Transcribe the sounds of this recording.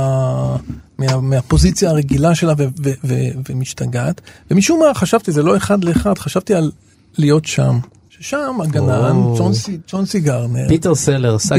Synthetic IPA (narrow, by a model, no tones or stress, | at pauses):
a | meameapo̞zit͡sjaːʁeɡilaʃe̞lavevevevemiʃtaɡat̪vemiʃumaχaʃavt̪izelo̞e̞χad̪leːχadχaʃavt̪ialː | ijo̞tʃa̰m | ʃeʃamaɡanant͡sonsit͡so̞nsiɡaʁnepiteʁseleʁs